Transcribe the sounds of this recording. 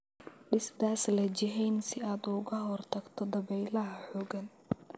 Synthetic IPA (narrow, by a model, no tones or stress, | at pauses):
ɖɪsd̪aːslɐd͡ʒɪɦɛjnsɪaːd̪ʊɣɐɦɔrt̪ʰɐɡt̪ʰɔd̪ɐβɛjlɐɦɐħɔːɡɐn